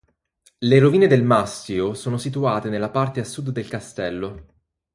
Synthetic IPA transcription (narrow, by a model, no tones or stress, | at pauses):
leɾoviːned̪elmaskiosoːnosit̪̬uaːt̪enelːapart̪easːud̪ːelkast̪ɛlːo